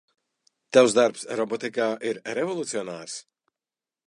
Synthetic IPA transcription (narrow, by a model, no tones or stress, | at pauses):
t̪awzd̪aɾpsɾɔbɔt̪ikaːʔiɾɾevɔlˠut̪siɔnaːɾs